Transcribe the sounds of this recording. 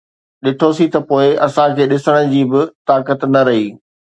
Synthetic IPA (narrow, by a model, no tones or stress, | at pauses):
ɗɪʈʰosit̪ɐpoːɪɐsãkʰeːɗɪsəɽ̃ə̆d͡ʑiːbɪt̪aːkət̪nɐɾɐɦiː